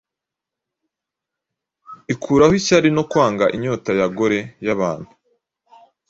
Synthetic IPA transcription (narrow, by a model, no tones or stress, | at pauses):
ikʰuːɾahicaɾino̞kwaːŋɡaʔiɲo̞ːtajaɡoɾe̞jaβaːnhu̥